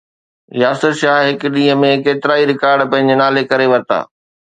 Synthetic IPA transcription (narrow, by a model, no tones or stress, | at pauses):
jaːsəɾʃaːɦɦɪkɗĩːɦəmẽkeːt̪ɪɾaːiɾɪkaːɾɖpɐ̃ɦɪ̃ɲ̆d͡ʑenaːlekɐɾeʋɐɾt̪a̰ː